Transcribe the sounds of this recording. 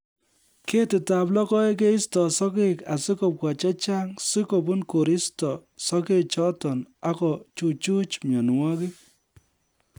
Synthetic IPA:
ke˦tɪ˨ta˨plɔ˦kɔ˦e˦k̬e˦i˦stɔ˨sɔ˦ke˦ka˨sɪ˦ko˨p̚ka˨t͡ʃɛ˦t͡ʃa˦ŋsɪ˦ko˨bʊ˦nko˨ɾɪ˦stɔ˨sɔ˦ke˦t͡ʃɔ˦tɔ˨na˦kɔ˨t͡ʃu˨t͡ʃu˦t͡ʃmjɔ˨nwɔ˦kɪ˦

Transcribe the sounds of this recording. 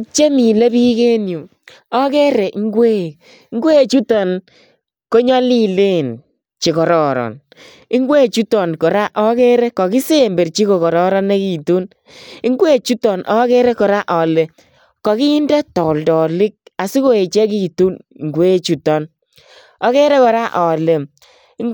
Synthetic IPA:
t͡ʃe˦mi˨le˦bi˦ke˦nju˨ | ɔ˦kɛ˦ɾɛ˨ʔŋɡwe˦˨˦ | ŋɡwe˦˨t͡ʃu˦tɔ˨n | ko˦ɲɔ˦li˦le˦n | t͡ʃi˨kɔ˨ɾɔ˨ɾɔ̰˨n | i˦ŋɡwe˦˨t͡ʃu˦tɔ˨nkɔ˨ɾa˦ʔɔ˦kɛ˦ɾɛ˦kɔ˨ki˦se˦˨mbe˨rt͡ʃi˦ko˨kɔ˨ɾɔ˦ɾɔ˦ne˦ki˨tu˦n | i˦ŋɡwe˦˨t͡ʃu˦tɔ˨nʔɔ˦kɛ˦ɾɛ˦kɔ˨ɾa˦ʔɔ˨le˨ | kɔ˨ki˦i˦ndɛ˦tɔ˨ldɔ˨lɪ˦k̚a˨si˦ko˦e˨t͡ʃɛ˦k̬i˦˨tu˦n˨ŋɡwe˦t͡ʃu˨tɔ˨n | ɔ˦kɛ˦ɾɛ˦kɔ˨ɾa˦ʔɔ˨le˨˦

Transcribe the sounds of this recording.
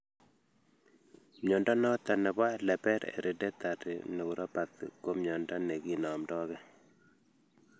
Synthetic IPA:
mɲɔ˨nda˦nɔ˦t̪a˨nɛ˨βa˦lɛ˨pɛ˦ɾɛ̰˨ɾʔɛ˨dɛ˦t̪a˨tɪ̰ne˨u˨ɾɔ˦pa˨t̪ko˦mɲɔ˨nda˦ne˨ɡi˦nɔ˨mdɔ˦ɣɛ˦

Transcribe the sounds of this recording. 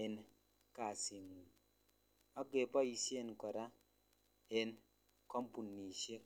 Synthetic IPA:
e˨n | ka˨si˨ŋu˨ | ɔ˦ɡe˨pɔ˦i˨si˦e˦nkɔ˨ɾa˦ | e˦n | kɔ˦mpu˨nːi˨ʃe˦

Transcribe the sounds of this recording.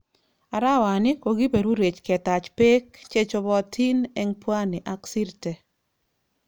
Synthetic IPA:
a˨ɾa˦wa˨nɪ˦ko˨ɡɪ˦be˨ɾu˦ɾe˨t͡ʃkɛ˨t̪a˨t͡ʃpe˦kt͡ʃe˦t͡ʃo˧bɔ˦tʰi˦nɛ˦ŋpwa˦nɪ˨ʔa˦ksi˦ɾte˨

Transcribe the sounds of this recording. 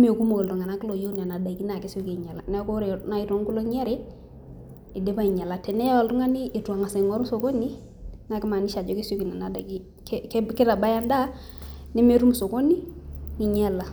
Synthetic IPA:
me˨ku˦mo˨ko˨ltu˨ŋa˨na˦kɪ˦lo˨jo˦n˨a˨na˨da˨ki˦na˨ke˦so˦ke˨ɲa˨la̰˨nɛ˦ko˦ɾe˨˦na˨i˨to˦ŋ˦ku˦lo˦ɲ˦a˦ɾe˦ | ɪ˨de˦ba˦i˨ɲa˨la˨tɛ˨nɛ˦ja˦wɔ˨ltʊ˦ŋa˦ni˦ʔːtu˨a˨ŋa˨sa˨ŋɔ˦ɾso˨ko˦ni˦ | na˨kɪ˦ma˨ni˦ʃa˨d͡ʒɔ˦ki˦so˦ki˨na˨na˨da˨ki˦ | kkkɪ˦ɾa˨ba˦ja˦nda˦ | nɛ˦me˦˨˦ɾu˦m˨so˨ko˦ni˦ŋi˨ɲa˦la˨

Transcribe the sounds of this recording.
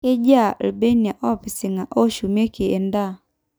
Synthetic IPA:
kɪ˦d͡ʒa˦˨lbe˦ni˨a˨ʔɔ˦pi˨sɪ˨ŋa˨ʔo˦ʃu˨me˦ke˨e˨nda˦˨

